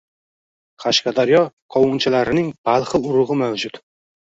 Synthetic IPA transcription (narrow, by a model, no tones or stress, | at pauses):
qʰɑʃqɑd̪aɾjɒqʰɒwʊnt͡ʃʰalaɾɪnɪŋb̥alˠχɨʊɾʊʁɨmawd͡ʒʊt̪